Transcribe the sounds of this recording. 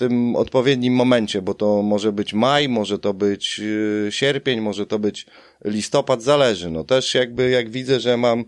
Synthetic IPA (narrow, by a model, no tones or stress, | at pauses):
t̪ɘmɔ̰t̪̚pɔvʲjɛd̪ɲimːɔmɛɲt͡ɕɛbɔt̪ɔmɔʐɛbɘt͡ɕmajmɔʐɛt̪ɔbɘt͡ɕɕɛɾpʲjeɲmɔʐɛt̪ɔbɘt͡ɕ | lʲist̪ɔpad̪zalɛʐɘnɔt̪ɛʂjaɡ̚bɘjaɡvʲid̪zɛʐɛmam